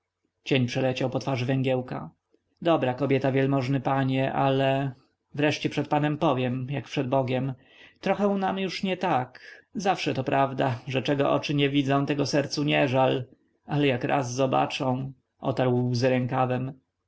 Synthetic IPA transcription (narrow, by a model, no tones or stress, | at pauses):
t͡ɕɛɲpʂɛlɛt͡ɕawpɔt̪faʐvɛŋɡʲjɛwka̰ | d̪ɔbɾakɔbʲjɛt̪avʲjɛlmɔʐnɘpaɲɛʔalɛ | vɾɛʂt͡ɕɛpʂɛt̪̚panɛmpɔvʲjɛmjakpʂɛd̪̚bɔɡʲjɛm | t̪ɾɔxɛw̃namjuʂɲɛt̪akzafʂɛt̪ɔpɾʔavd̪aʐɛt͡ʂɛɡɔʔɔ̰t͡ʂɘɲɛvʲid̪zɔ̃w̃t̪ɛɡɔsɛɾt̪suɲɛʐal | alɛjakɾʔa̰zːɔba̰t͡ʂɔ̃w̃ | ʔɔ̰t̪aɾwwzɘɾɛŋkavɛm